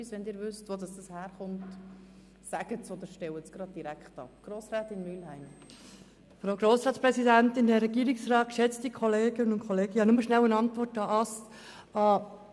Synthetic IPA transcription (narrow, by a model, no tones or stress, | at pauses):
sʋɛndɪːɾʋʏstʋodɑsd̥ɑshæːɾχʊmt | sæɡ̥ətsod̪əɾʃtɛwət͡sɡ̥ɾɑd̪̚d̥iɾækχtɑ̰pɡ̥ɾoːsɾæːtɪnmyːlhæɪm | fɾaʊɡɾoːsɾɑːtt͡sspɾɛsidæntɪndɛɾɛɡiːɾɪksrɑːt̚kʃɛt͡stikʰɔleːɡ̥ənənʊnkʰχɔleːɡ̥əhɑnʊməʃnælənɑntʋɔrtɑʔɑs | ɑ